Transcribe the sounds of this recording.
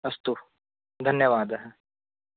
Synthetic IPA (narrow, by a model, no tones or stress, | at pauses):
ɐst̪u | d̪ʱɐnjəʋaːd̪ɐɦɛ